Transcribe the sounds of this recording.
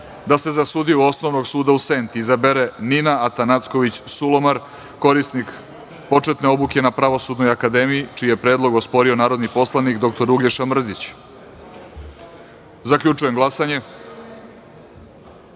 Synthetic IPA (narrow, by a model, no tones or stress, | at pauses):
d̪ase̞zasuːd̪iuo̞sno̞ʋno̞ɡsuːd̪ausent̪iːzabeɾe̞ninaat̪anat̪sko̞ʋit͡ɕsulo̞maɾ | ko̞ɾisnik | po̞t͡ʂe̞t̪neo̞buke̞napɾaʋo̞sud̪no̞jakad̪e̞miit͡ʃiːjepɾeːd̪lˠo̞ɡo̞spo̞ɾio̞naːɾo̞d̪nipo̞slˠanikd̪o̞k̚t̪o̞ɾuɡleʃamr̩d̪it͡ɕ | zakʎʲut͡ʂuje̞mɡlˠasaɲe̞